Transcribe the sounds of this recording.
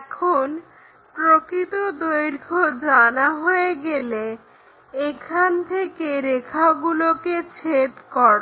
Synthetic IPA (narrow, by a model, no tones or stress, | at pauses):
ɛkʰon | pɾokɾit̪od̪ojɾkʰod͡ʑanaɦoeɡele | ekʰant̪ʰekeɾekʰaoɡuloket͡ɕʰet̪kɔɾ